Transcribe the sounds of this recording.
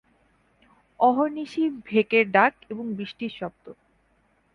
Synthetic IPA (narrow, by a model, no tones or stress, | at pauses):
ɔɦoɾniʃibʱekeɾɖakeboŋbɾiʃʈiɾʃɔp̚t̪o